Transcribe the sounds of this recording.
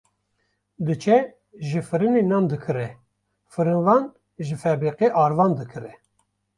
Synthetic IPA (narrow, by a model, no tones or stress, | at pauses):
d̪ɨt͡ʃʰɛ | ʒɨfɨɾɨnenɑːnd̪ɨkʰɨɾɛ | fɨɾɨnvɑːn | ʒɨfɛbɾiqeʔɑːɾvɑːnd̪ɨkʰɨɾɛ